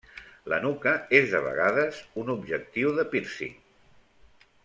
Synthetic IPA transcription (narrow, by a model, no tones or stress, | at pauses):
lə̰nukəezðəβ̞ə̰ɣaðəzunubʒək̚t̪iwðəpiɾsḭ